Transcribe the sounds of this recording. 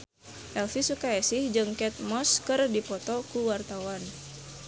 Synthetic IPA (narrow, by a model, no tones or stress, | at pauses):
ʔɛlfisukaɛsɪhd͡ʒɨŋkɛt̪̚mɔskɨrdipɔt̪ɔkuwart̪awan